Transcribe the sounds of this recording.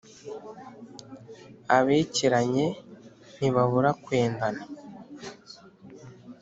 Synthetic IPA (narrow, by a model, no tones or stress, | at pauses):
aβeːciɾaɲe̞ | niβaβuɾakwe̞ːndana